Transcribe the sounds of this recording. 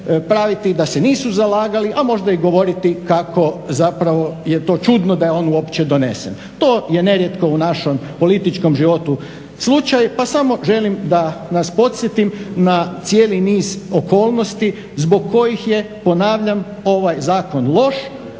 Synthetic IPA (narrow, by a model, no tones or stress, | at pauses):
pɾaʋit̪id̪aseniːsuzalaːɡaliʔamo̞ʒd̪aiɡo̞ʋo̞ɾit̪ikakʰo̞zapɾaʋo̞je̞t̪o̞ːt͡ʃud̪nod̪ajeo̞ːnuopt͡ɕed̪o̞ne̞sen | t̪o̞ːje̞neɾje̞t̪ko̞unaʃo̞mpo̞lit̪it͡ʃko̞mʒiʋo̞t̪u | slˠut͡ʃajpasamo̞ʒe̞limd̪anaspo̞t̪sʲjet̪imnat̪sje̞ːliniːzoko̞ːlˠno̞st̪i | zbo̞ɡ̚ko̞jixje̞ | po̞naːʋʎam | o̞ʋajzaːko̞nlˠo̞ʃ